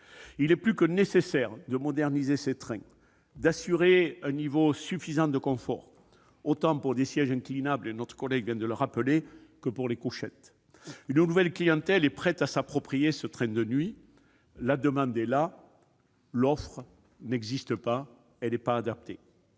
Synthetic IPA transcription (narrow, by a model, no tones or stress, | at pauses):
ilɛplykənesesɛʁd̪əmɔd̪ɛʁnizeset̪χɛ̃ | d̪asyʁeɛ̃nivosyfizɑ̃d̪əkɔ̃fɔ̰ʁ | ot̪ɑ̃puʁd̪esjɛʒɛ̃ŋklinablenɔt̪χə̥kɔlɛɡvjɛ̃d̪ələʁapəlekəpuʁlekuʃɛt̪ | ynnuvɛlklijɑ̃t̪ɛlɛpχɛt̪asapχɔpχijesət̪χɛ̃d̪ənɥi | lad̪əmɑ̃d̪ɛla | lɔfχə | nɛɡzist̪əpa | ɛlɛpaːd̪ap̚t̪e